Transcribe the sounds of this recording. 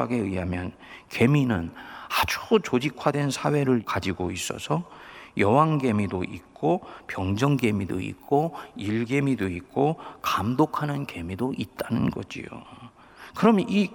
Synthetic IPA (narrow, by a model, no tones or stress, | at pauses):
aɡe̞ɯɦamjʌn | ke̞minɯnad͡ʑut͡ɕod͡ʑikʰwadwe̞nsʰawe̞ɾɯɭkad͡ʑiɡois͈ʌ̰sʰʌjʌwaŋɡe̞midoʔik̚k͈opjʌŋd͡ʑʌŋɡe̞mido̰ḭk͈oiɭɡe̞midoik̚k͈okamdokʰanɯnke̞midoʔit̚t͈anɯnɡʌ̰d͡ʑḭjo̰ | kɯɾʌmi